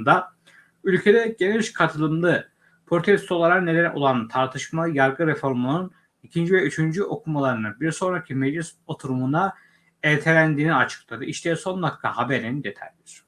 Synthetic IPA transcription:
nd̪a | ylʲcʰe̞d̪ɛɟeniʃkʰat̪ʰɯlˠɯmlˠɯ | pʰɾo̞t̪ʰɛst̪o̞lˠaɾakned̪ænʔo̞̰lˠant̪ʰaɾt̪ʰɯʃmajaɾɡɯɾefo̞ɾmunun | icʰind͡ʒivɛyt͡ʃʰynd͡ʒyʔo̞kʰumalˠaɾɯnɯbiɾso̞nɾacʰimed͡ʒlʲiso̞t̪ʰuɾumuna | elʲt̪ʰelʲænd̪iːniat͡ʃʰɯ̥klˠad̪ɯʔiʃt̪ʰɛso̞nlˠakʰːa̰habeɾinind̪e̞t̪ʰa̰jd̪ʲiɾ̥

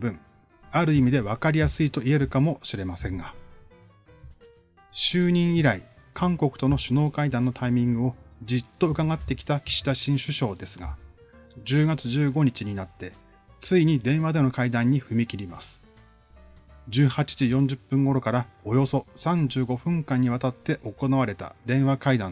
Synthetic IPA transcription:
bɯ̟̃ŋ | aɾɯ̟imʲid̪e̞βakaɾʲijasɨit̪o̞ie̞ɾɯ̟kamo̞ɕiɾe̞masẽ̞ŋɡa | ɕɨːɲ̟ĩɰ̃iɾaikʰãŋko̞kɯ̟t̪o̞no̞ɕɨno̞ːkaid̪ãnːo̞t̪aimʲĩŋɡɯ̟o̞d͡ʑit̪ːo̞ɯ̟kaɡat̪ːe̞kʲi̥t̪akʲi̥ɕi̥t̪aɕĩɰ̃ɕɨɕo̞ːd̪e̞sɨɡa̰ | d͡ʑɨːɡat͡sɨʑɨːɡo̞ɲ̟it͡ɕiɲ̟inat̪ːe̞ | t͡sɨiɲ̟id̪ẽ̞ɰ̃βad̪e̞no̞kaid̪ãɲ̟ːiɸɯ̟mʲikʲiɾʲima̰sɨ̥ | d͡ʑɨːhat͡ɕi̥ʑijõ̞ɲ̟d͡ʑɨpːɯ̟̃ŋɡo̞ɾo̞kaɾao̞jo̞so̞sãɲ̟d͡ʑɨːɡo̞ɸɯ̟̃ŋkãɲ̟ːiβ̞at̪at̪ːe̞ʔo̞ko̞naβaɾe̞t̪a̰d̪ẽ̞ɰ̃βakaid̪ã

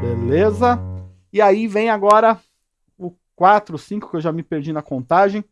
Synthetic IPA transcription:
belezɐ | ɪaivẽj̃aɡɔɾɐ | ʊ | kwat̪ɾʊsĩkʊkewʒamɪpeɾd͡ʒinɐkõnt̪aʒẽj̃

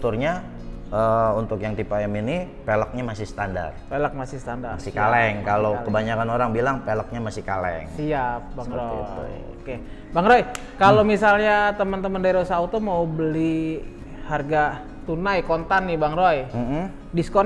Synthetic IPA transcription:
t̪ʊrɲa | əunt̪ʊkjaŋt̪ipaɛmini | pelək̚ɲamasɪhsə̥t̪anda̰rpelək̚masɪhsət̪andaasɪkalɛŋkalokəbaɲakanoɾaŋbilaŋpelək̚ɲamasɪhkalɛ̰ŋsiap̚baŋɾo̰t̪ṵ | oke | baŋɾoj | kalomisalɲat̪əmənt̪əməndaiɾosaut̪umaubəli | harɡa | t̪unajkɔnt̪anːɪbaŋɾojm̩ | diskɔ

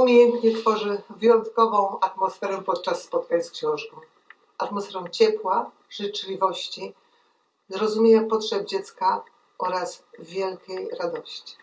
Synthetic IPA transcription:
umʲejɛnt̪ɲɛt̪fɔʐɘvɘjɔnt̪kɔvɔ̃w̃at̪mɔsfɛɾɛpɔt̪̚t͡ʂasːpɔt̪̚kaɲskɕɛ̃wʐɡɔ | at̪mɔsfɛɾɛ̃w̃t͡ɕɛpwa | ʐɘt͡ʂlʲivɔɕt͡ɕi | zɾɔzumʲjejapɔtʂɛb̚d͡ʑɛt̪ska | ʔɔɾasvʲjɛlkʲejɾad̪ɔɕt͡ɕi̥

